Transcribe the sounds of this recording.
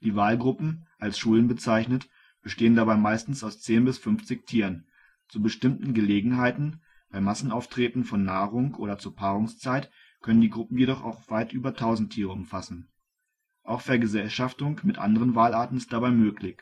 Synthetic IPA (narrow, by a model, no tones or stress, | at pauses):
d̥iːvaːlɡʁʊpm̩ʔalsʃuːlənbət͡saɪçnət | b̥əʃteːəndabaɪmaɪstn̩saʊst͡seːnbɪsfʏnft͡sɪçtʰiːʁən | t͡subəʃtɪmtn̩ɡəleːɡŋ̩ɦaɪtn̩ | b̥aɪmasn̩ʔaʊftʁ̥eːtn̩fɔnːaːʁʊŋʔoːɾɐt͡suːɐpʰaːʁʊŋst͡saɪt | kʰœnəndiːɡʁʊpm̩jedɔχa̰ʊxv̥aɪtʔyːbɐtʰaʊzn̩tʰiːʁəʊmfasn̩ | ʔaʊxfɛːɐɡəzɛlʃaftʊŋmɪtʔa̰ndəʁ̞ənvaːlaːɐtn̩ɪstd̥abaɪmøːklɪç